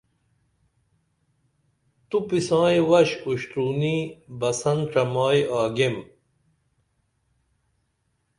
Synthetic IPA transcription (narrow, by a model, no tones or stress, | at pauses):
t̪upisãːjwɐɕuɕt̪ɾuːnibɐsɐnʈ͡ʂɐmaːjaːɡem